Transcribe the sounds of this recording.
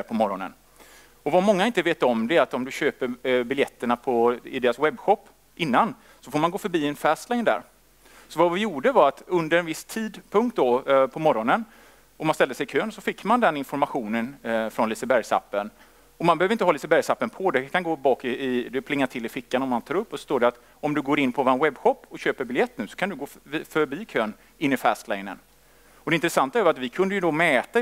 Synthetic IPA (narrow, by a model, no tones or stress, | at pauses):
pʰɔmɔɾɔnə̰n | ɔvamɔŋːaɪnt̪əveːt̪ːɔmd̪ɛɾat̪ɔmd̪ɵɕøːpəɾbɪljɛt̪ːəɳapʰɔɪd̪eːɾaswɛbːɧɔpː | ɪnːan | sɔfoːmanɡoːfœɾbiːɛnfæːst̪lɛŋnd̪æ̰ːɾ | sɔvavɪjuːɖəvaɾat̪ɵnd̪əɾɛnvɪst̪ʰiːd̪pʰɵŋkt̪̚d̪ɔpʰɔmɔɾɔnən | ɔmansɛld̪əsɛjkʰøːnsɔfɪkːmand̪ɛnɪnfɔɾmaɧuːnənfɾɔnlɪsəbæɾjsa̰pːən | ɔmanbɛøːvɾɪnt̪əɦɑːlɪsəbæɾjsapːənpʰɔd̪ɛkʰanɡoːbɑːkɪɪd̪ɵpʰlɪŋːat̪ʰɪlːɪfɪkːanɔmːant̪ʰɑːɾɵpːɔsɔ̥st̪oːd̪ɛat̪ | ɔmd̪ɵɡoːɾɪnːpʰɔvɔːɾanwɛbːɧɔpːɔɕøːpəɾbɪljɛt̪ːnʉ̟ːsɔ̥kʰand̪ɵɡoːfœɾbiːkʰøːn | ɪnːɪfæːst̪laɪnə̰n | ɔd̪ɛɪnt̪ɾɛsant̪aɛvɾat̪vɪkʰɵnd̪əjɵd̪ɔmɛːt̪a